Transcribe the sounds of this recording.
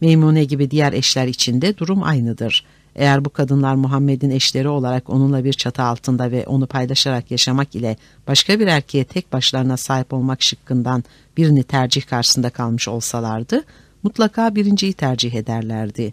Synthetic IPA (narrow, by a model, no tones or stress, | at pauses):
mejmunɛɟibid̪ijæɾʔɛʃlʲæɾit͡ʃʰind̪ɛd̪uɾuma̰jnɯd̪ɯɾ̥ | ʔe̞̰jæɾbukʰad̪ɯnlˠaɾmuɦamːed̪inɛʃlʲe̞ɾio̞lˠaɾako̞nunlˠabiɾt͡ʃʰat̪ʰɯalˠt̪ʰɯnd̪avɛʔo̞nupʰajlˠaʃaɾakjaʃamakilʲɛ | b̥aʃkʰabiɾæɾcʰejɛt̪ʰɛc̚baʃlˠaɾɯnasaːɦipo̞lˠmakʃɯkʰːɯnd̪an | b̥iɾinit̪ʰæɾd͡ʒihkʰaɾʃɯ̥sɯnd̪akʰalˠmɯʃo̞lˠsalˠaɾd̪ɯ | mut̪lˠakʰaːbiɾind͡ʒijit̪ʰæɾd͡ʒiɦe̞d̪æɾlʲæɾd̪ɪ